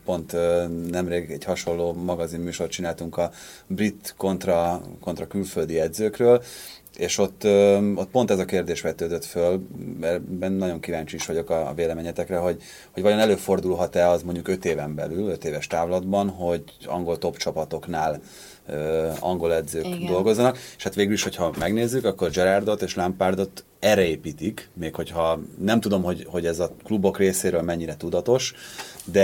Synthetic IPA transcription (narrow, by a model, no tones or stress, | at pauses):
po̞nt̪ønɛmreːɡɛɟhɒʃo̞lːoːmɒɡɒzimmyːʃo̞rt̪t͡ʃinaːlt̪uŋkɒbrit̪ko̞nt̪rɒko̞nt̪rɒkylføld̪iɛd̪zøːkrøːl | eːʃo̞t̪ːøot̪̚pont̪ɛzɒkeːrd̪eːʃʋɛt̪øːd̪øt̪følɛbɛnnɒɟo̞ŋkivaːɲt͡ʃiiʃʋɒɟokɒveːlɛmeːɲɛt̪ɛkrɛɦo̞ɟ | ho̞ɟvɒjo̞nɛløːfo̞rd̪ulɦɒt̪ɛɒzmo̞ɲɟukø̞t̪eːvɛmbɛ̰lylø̞t̪eːvɛʃt̪aːvlɒd̪bɒnɦo̞ɟ | ɒ̰ŋɡo̞lt̪o̞pt͡ʃɒpɒt̪o̞knaːl | øːɒ̰ŋɡo̞lɛd̪zøːkd̪o̞lɡo̞zːɒnɒke̥ʃhat̪ʋeːɡyliʃho̞chɒmɛɡneːzːykɒkːo̞rd͡ʒɛɾard̪o̞t̪eːʃlampaːrd̪o̞t̪ | ɛrɛeːpiːt̪ikmeːkho̞chɒnɛmt̪ud̪o̞mɦo̞ɟho̞ɟɛzɒklubo̞kreːseːɾøːlmɛɲːiɾɛt̪ud̪ɒt̪o̞ʃd̪ɛ